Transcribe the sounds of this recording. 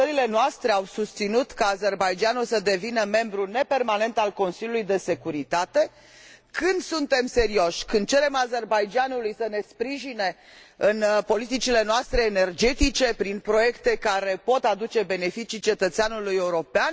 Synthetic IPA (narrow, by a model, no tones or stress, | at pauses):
əɾile̞noast̪ɾe̞awsust̪sinut̪kaːze̞rbajd͡ʒanulsəd̪e̞vinəme̞mbɾune̞pe̞rmane̞nt̪alko̞nsilʲjulujd̪e̞se̞kuɾit̪at̪e̞ | kɨnd̪sunt̪e̞mse̞ɾio̞ʃʲkɨnd̪̚t͡ʃeɾe̞maze̞rbajd͡ʒanulujsəne̞spɾiʒine̞ | ɨnpo̞lit̪it͡ʃile̞noast̪ɾe̞ːne̞rd͡ʒe̞t̪it͡ʃe̞pɾinpɾo̞je̞kt̪e̞kaɾe̞po̞t̪ad̪ut͡ʃe̞be̞ne̞fit͡ʃit͡ʃe̞t̪ət̪seanuluje̞uɾo̞pean